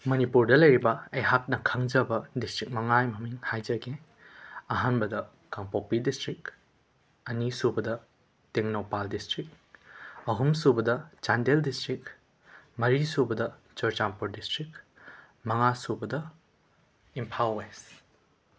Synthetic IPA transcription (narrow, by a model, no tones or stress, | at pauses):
mɐnipuɾdɐlɐjɾibɐɐjɦak̚nɐkʰɐŋd͡ʒɐbɐdistɾik̚mɐŋajmɐmiŋhajd͡ʒɐɡe | ɐɦanbɐdɐ | kaŋpopːidistɾik | ɐnisubɐdɐ | teŋnopaldistɾik̚ | ɐɦumsubɐdɐt͡ʃandeldistɾik | mɐɾisubɐdɐ | t͡ʃɔɾt͡ʃampuɾdistɾik̚ | mɐŋasubɐdɐ | impʰawːes